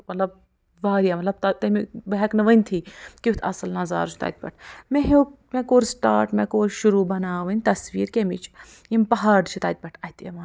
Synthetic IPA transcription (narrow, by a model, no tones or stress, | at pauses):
mɐt̪lɐb̚ | ʋaːɾijaːmɐt̪lɐb̚t̪ɐt̪ɐmibɐɦɛknɨʋɐnʲt̪ʰiːkiut̪ʰɐsɐlnɐza̰ːɾʃʰi̥t̪a̰ːt̪̚ʲpɐ̰ʈʰmeɦo | mẽkoːɾsʈa̰ːɾʈmẽːkoːɾʃuɾuːbɐnaːʋɐnʲt̪ɐsʋḭːɾkemit͡ʃʰ | impɐɦaːɾɖ̪t͡ʃʰit̪aːt̪̚pɐʈʰɐt̪ʰemaːn